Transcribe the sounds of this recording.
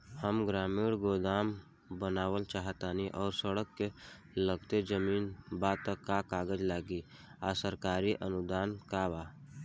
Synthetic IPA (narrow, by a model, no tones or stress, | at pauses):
həmɡɾaːmiːɽɡoːd̪aːm | bənaːwəlt͡ʃaːɦət̪aːniʔɔːɾsəɽəkːe | ləɡt̪ed͡ʒəmiːnbaːd̪̚t̪əkːakaːɡəd͡ʒlaːɡi | asəɾkaːɾiʔənʊd̪aːnkabaː